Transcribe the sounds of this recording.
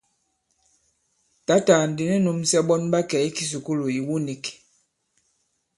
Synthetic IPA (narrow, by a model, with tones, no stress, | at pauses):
ta˨˦ta˨n̩˨di˨nɛ˦nu˨msɛ˦ɓɔ˦nba˦kɛ˨i˦ki˦s̬u˨ku˦lu˨i˨wu˦ni˨k